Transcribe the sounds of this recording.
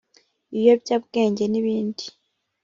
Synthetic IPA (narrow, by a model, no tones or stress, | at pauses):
ijo̞bɟabɡe̞ːɲɟe̞niβiːndi̥